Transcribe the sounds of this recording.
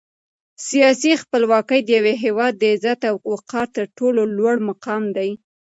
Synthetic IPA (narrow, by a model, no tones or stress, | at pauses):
sijɑsixpəlwɑkəjd̪əjaweɦewɑd̪ːəɪzat̪awwqɑɾt̪əɾʈololwaɽmaqɑmd̪aj